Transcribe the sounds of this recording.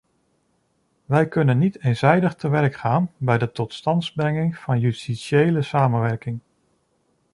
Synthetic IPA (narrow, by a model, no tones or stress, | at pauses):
ʋɛjkɵnənːitejnzɛjdəχtəʋɛrkχaːnbɛjdətɔtstɑntzbrɛŋɪŋv̥ɑnjystiʃejləsaːmənʋɛɹkɪŋ